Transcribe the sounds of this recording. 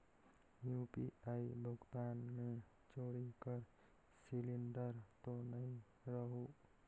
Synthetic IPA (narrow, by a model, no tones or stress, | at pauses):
jupḭaibʱʊɡt̪anme | t͡ʃoɽikəɾ | siliɳɖəɾt̪onəĩ | ɾəɦu